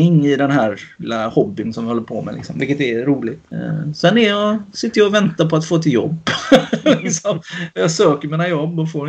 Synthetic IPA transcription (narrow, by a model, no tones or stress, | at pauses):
ɪŋːɪd̪ɛnɦæːɾɪlahɔbːɪnsɔmjɪhɔlːəɾpʰo̰ːmɛ̰lɪ̰ksɔ̰mvɪlkːət̪ɛɾuːlɪɡt̪sɛnɛɾjɑsɪt̪ːəjɑʊvɛnt̪apʰɔat̪foːt̪ʰɪjɔ̰bːlɪksɔmjɑsøːkəɾmiːnajɔbːɔfoːɾ